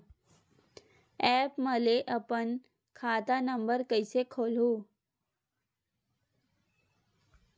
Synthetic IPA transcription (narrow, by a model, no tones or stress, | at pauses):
ɛːpməleʔɐpən | kʰaːt̪anə̃mbəɾkəɪsekʰoːlɦoː